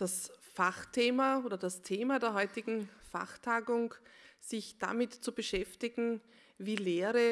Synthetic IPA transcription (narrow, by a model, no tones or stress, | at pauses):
d̥asfaχtʰeːmaoːdɐdastʰeːmadeːɐɦɔʏtɪɡŋ̩fa̰χtʰaːɡʊŋz̥ɪçd̥a̰mɪtt͡subəʃɛftɪɡŋ̩ | viːleːʁə